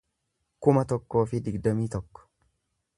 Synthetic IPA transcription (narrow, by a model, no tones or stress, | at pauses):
kʊmɐt̪ɔkːo̞ːfɪd̪ɪɡd̪ɐmiːt̪ɔkːɔ̥